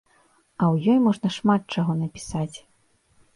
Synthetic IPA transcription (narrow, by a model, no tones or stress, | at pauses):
ɐwjɔjmɔʐnɐʂmat̪̚t͡ʂaɣɔnɐpʲi̥sat͡sʲ